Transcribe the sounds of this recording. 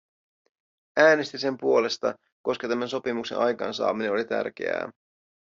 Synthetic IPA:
æːne̞st̪ise̞mpuo̞le̞st̪ɑ̰ | ko̞skɑt̪æmænso̞pimukse̞̰nʔɑjkɑ̰ːnsɑ̰ːmine̞no̞lit̪æ̰rk̟e̞̰æ̰ː

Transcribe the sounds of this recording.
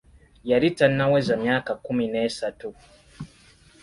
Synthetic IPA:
jaɾitanːawezamjaːkakumine̞ːsatu

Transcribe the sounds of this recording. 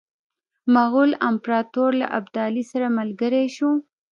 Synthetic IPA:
maɣulampɾɑt̪oɾla̰ʔabd̪ɑlisaɾamalɡəɾeʃu

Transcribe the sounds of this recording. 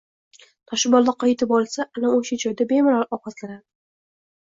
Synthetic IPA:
t̪ʰɒʃɪbɒlˠd̪aqʰɑjt̪ʰɪpɒlˠsaʔanaoʃad͡ʒɒjd̪abe̞mɪɾaɾɒqʰɑslaɾad̪ɪ

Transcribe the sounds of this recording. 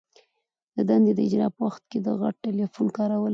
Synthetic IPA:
d̪̥əd̪and̪ed̪əɪd͡ʒɾɑ̰pəwaxt̪̚ked̪əɣa̰ʈ̚ʈelefunkɑɾawəl

